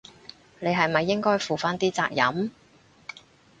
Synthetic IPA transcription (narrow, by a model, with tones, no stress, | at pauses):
ne˨˧jɦɐ˨jmɐ˨jːɪ˥ŋkɔː˥jfuː˨faː˥nt̪iː˥t͡sa̰ː˧k̚jɐ̰˨˥m